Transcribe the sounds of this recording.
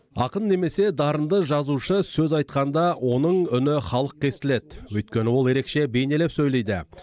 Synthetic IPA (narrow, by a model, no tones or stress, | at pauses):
ɑ̰qənːe̞me̞se̞d̪ɑɾənd̪əʒɑzuʃəsɵzɑjt̪qɑnd̪ɑwʔo̞nəɴʏnɪχɑlˠəq̚kʲʰe̞st̪ɪle̞d̪wɵjt̪̚kʲe̞nɪwo̞lˠje̞ɾe̞kʃe̞be̞jne̞le̞psɵjlˠe̞jd̪ɪ̰